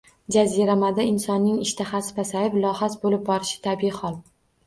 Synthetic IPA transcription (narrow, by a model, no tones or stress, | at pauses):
d͡ʒaziɾamad̪aɪnsɒnːɪŋɪʃt̪ʰaχasɪ̥pʰasajɪplˠɒhasbolɪp̚bɒɾɪʃɪ̥t̪ʰabiɪhɒlˠ